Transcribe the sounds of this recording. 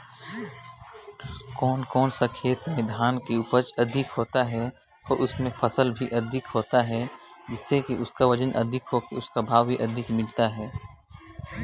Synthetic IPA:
kɔːnkɔːnsakʰeːt̪meɪd̪ʱaːnkeʊpət͡ʃɐd̪ʱɪkɦoːt̪aɦɛ | ɔːɾʔʊsmẽpʰɐsəlbʱiʔɐd̪ʱɪkɦoːt̪aɦɛd͡ʒɪsːekiʔʊskaʋɐd͡ʒənʔɐ̰d̪ʱɪkɦokeʊskabʱaːʋbʱiʔɐd̪ʱɪkmɪlt̪aɦɛː

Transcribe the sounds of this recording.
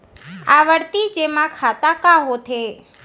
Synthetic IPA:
aʋəɽt̪id͡ʒemãkʰat̪akaɦot̪ʰe

